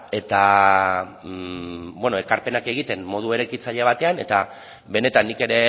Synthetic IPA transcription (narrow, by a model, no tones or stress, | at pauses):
e̞t̪a | bweno̞e̞kaɾpe̞nake̞ɣ̞it̪e̞mmːo̞ð̞ue̞ɾekit͡saʎeβ̞at̪e̞ane̞t̪a | βe̞ne̞t̪anːike̞ɾe̞